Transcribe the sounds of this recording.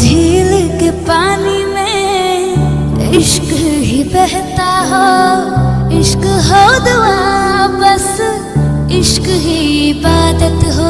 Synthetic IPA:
d͡ʒʱiːlkepaːnimẽ | ɪʃkɦipɛɦt̪aɦo | ɪʃkɦoːd̪ʋabɐs | ɪʃkɦipaːd̪ət̪ɦoː

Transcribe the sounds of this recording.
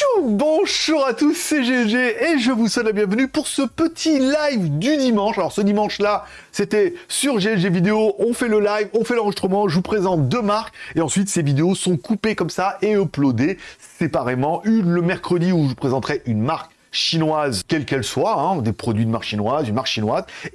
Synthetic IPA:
bɔ̃ʒuʁat̪usːeʒeɛʒeeʒəvuswɛt̪ləbjɛ̃vənypuʁsəpət̪ʰilajvd̪yd̪imɑ̃ʃalɔʁsəd̪imɑ̃ʃla | set̪ɛsyʁʒeɛʒevid̪eoʔɔ̃fɛləlajvɔ̃fɛlɑ̃ʁəʒist̪χəmɑ̃ʒəvupχezɑ̃t̪̚d̪əmaʁkeɑ̃sɥit̪sevid̪eosɔ̃kʰupekɔmsaeɔplod̪esepaʁemɑ̃ʔyləmɛʁkχəd̪iuʒəpχezɑ̃t̪χɛʔynmaʁk | ʃinwazkʲɛlkɛlswaɛ̃d̪epχɔd̪ɥid̪əmaʁkʃinwazynmaʁkʃinwaz

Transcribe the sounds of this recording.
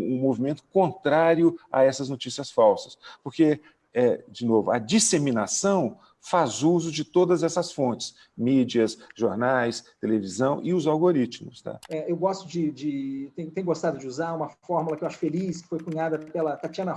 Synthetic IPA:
ũmovimẽnt̪ʊ̥kõnt̪ɾaɾjʊɐ̰ɛsɐznot͡ʃisiɐsfawsɐ̥spoɾke | ɛd͡ʒɪnovʊɐd͡ʒisemĩnasɐ̃w̃ | fazuzʊd͡ʒɪt̪od̪ɐzɛsɐsfõnt͡ʃɪ̥s | mid͡ʒiɐsʒoɾnajst̪elevizɐ̃w̃ʔɪʊzawɡoɾit͡ʃmʊst̪a̰ɛewɡɔst̪ʊd͡ʒɪd͡ʒɪt̪ẽj̃ʊ̃t̪ẽjʊ̃ɡost̪ad̪ʊd͡ʒɪuzaɾũmɐfɔɾmulɐkɪewaʃʊ̥feliskɪ̥fojkũɲad̪ɐpelɐt̪at͡ʃiɐ̃nɐ

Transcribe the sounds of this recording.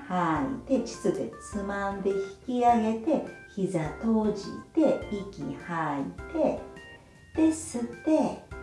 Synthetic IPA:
hait̪e̞t͡ɕi̥t͡sɨd̪ḛt͡sɨmãnd̪e̞çi̥kʲiaɡe̞t̪e̞çizat̪o̞ːʑḭt̪e̞ikʲihait̪e̞ | t̪e̞sɨt̪ːe̞

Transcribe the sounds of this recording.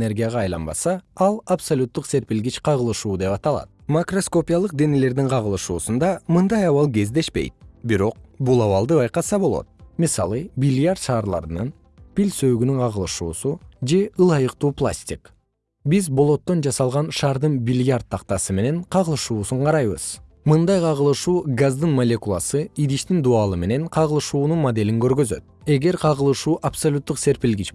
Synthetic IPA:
ne̞ɾɡʲijaʁɑːjlˠɑ̰nbɑ̰sɑɑlˠapsolʲut̪ːuqse̞ɾpilɡit͡ʃqʰɑʁɯlˠɯʃuːd̪e̞pɑt̪ɑlˠɑ̰t̪̚makro̞sko̞pʲijalˠɯq̚d̪enele̞ɾd̪iŋqʰɑʁɯlˠɯʃuːsund̪ɑmɯnd̪ɑjɑwɑlˠɡe̞zd̪e̞ʃpe̞̰jt̪̚biɾo̞q̚bulˠɑwɑlˠd̪ɯbɑjqɑsɑbo̞lˠo̰t̪̚mʲisɑ̰lˠɯbʲilʲjart̪ʃɑːɾlˠɑ̰ɾnɯn | pʲilʲsøːɡynyɴqʰɑʁɯlˠɯʃuːsud͡ʒe̞ɯlˠɑjɯqt̪uːplˠa̰sʲtʲik | bizbo̞lˠo̞t̪ːo̞nd͡ʒɑsɑlˠʁɑnʃɑːɾd̪ɯnbʲilʲjart̪ʰːɑqt̪ɑsɯme̞ne̞ɴqʰɑʁɯlˠɯʃuːsuɴqʰɑɾɑjβɯ̰z̥ | mɯnd̪ɑjqʰɑʁɯlˠɯʃuːɡazd̪ɯnmolʲe̞kulˠa̰sɯid̪iʃt̪ind̪uɑlˠɯme̞ne̞ŋqʰɑʁɯlˠɯʃuːnunmod̪e̞lʲiŋkø̞ɾɡø̞zø̞̰t̪̚ | e̞ɡe̞ɾqʰɑʁɯlˠɯʃuːʔapsolʲut̪ːuqse̞ɾpilɡit͡ʃ

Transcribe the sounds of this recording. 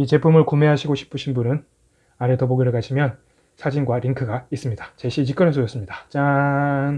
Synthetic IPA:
it͡ɕe̞pʰumɯɭkome̞ɦaɕʰiɡoɕʰi̥pʰɯɕʰinbunɯn | aɾetʌboɡiɾɯɭkaɕʰimjʌn | sʰad͡ʑinɡwaɾiŋkʰɯɡais͈ɯmɲidat͡ɕeɕʰit͡ɕik͈ʌɾesʰojʌs͈ɯmɲidḁt͡ɕan

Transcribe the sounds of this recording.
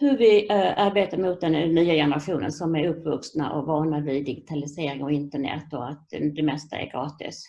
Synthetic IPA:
hɵvɪaɾbeːt̪aɾmʊːt̪̚d̪ɛnːyːajɛnəɾaɧuːnə̰nsɔmæɾɵpːvɵksna̰ʔɔ̰vɑːɳavɪd̪ɪɡɪt̪ʰalɪseːɾɪŋɔɪnt̪əɳɛ̰t̪ːɔat̪d̪ɛmɛst̪a̰ɛ̰ɾɡɾɑːt̪ɪ̰s

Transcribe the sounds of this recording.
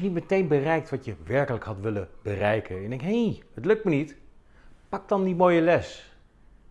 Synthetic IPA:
nitmətejnbərɛjk̚tʋɑtjəʋɛɹkələkɦɑtʋɪlənbərɛjkʰənɛɡdɛŋkɦejhətlɵk̚tmənit | pɑk̚dɑndimoːjəlɛs

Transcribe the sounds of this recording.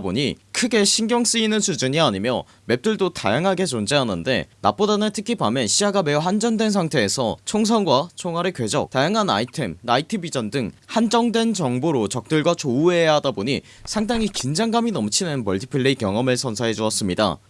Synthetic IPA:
bo̰ɲikʰɯɡe̞ɕʰinɡjʌŋs͈ɯinɯnsʰud͡ʑuɲiaɲimjʌ | me̞p̚t͈ɯɭdota̰jaŋɦaɡe̞t͡ɕond͡ʑeɦanɯnde̞̰na̰p̚p͈odanɯɭtʰɯkʰibamjenɕʰiaɡame̞uɦand͡ʑʌndwe̞ns̬ʰaŋtʰe̞ːsʰʌt͡ɕʰoŋs̬ʰʌnɡwat͡ɕʰoŋɦwaɾɯkwe̞d͡ʑʌk̚tajaŋɦana̰itʰe̞mnaitʰɯbid͡ʑʌndɯŋhand͡ʑʌŋdwe̞nt͡ɕʌŋboɾot͡ɕʌk̚t͈ɯɭɡwat͡ɕoue̞jaɦadaboɲi | sʰaŋdaŋikind͡ʑaŋɡaminʌmt͡ɕʰinɯnbʌɭtʰi̥pʰɯɭːeikjʌŋʌmɯɭsʰʌnsʰaɦe̞d͡ʑuʌs͈ɯmɲida̰

